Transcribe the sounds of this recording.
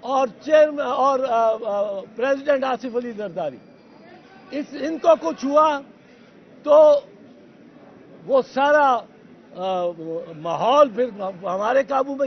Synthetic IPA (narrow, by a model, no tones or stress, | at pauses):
ɔːɾt͡ʃeːɾmɔːɾ | pɾeːzɪɖə̃ɳʈaːsɪfəlizɐɾd̪aːɾḭː | ɪsɪnkokʊt͡ʃʰɦʊa | t̪o | ʋosaːɾa | maːɦɔːlpʰɪɾɦɐmaːɾekaːbumẽ